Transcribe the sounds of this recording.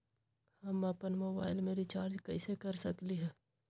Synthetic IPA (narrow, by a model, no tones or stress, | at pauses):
həməpənmoːbaːɪlmeɾit͡ʃaːɾd͡ʒkɐɪsekɐɾsɐkliɦɛː